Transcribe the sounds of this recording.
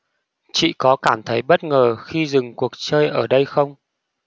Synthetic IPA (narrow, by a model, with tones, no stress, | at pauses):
t͡ɕḭ˧˨kɔ˨˦kaː˧˩mt̪ʰə˨˦jɓə˦˥t̚ŋəː˨˩xi˧zɨ˨˩ŋku˨˩ək̚t͡ɕəː˧jʔəː˧˩ɗə˧jxə˧wŋ͡m